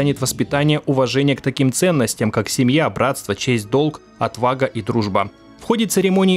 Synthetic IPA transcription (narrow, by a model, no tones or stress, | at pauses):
anʲɪt̪vəspʲɪt̪anʲɪjəʔʊvɐʐɛnʲɪjəkt̪ɐkʲimt̪sɛnːəsʲtʲjəmkaksʲɪmjabɾʔat̪st̪vət͡ɕesʲt̚ʲd̪o̞lˠk | ɐ̰t̪vaɡəʔid̪ɾuʐbə | fxo̞dʲɪt̪sɨɾʲɪmo̞nʲɪː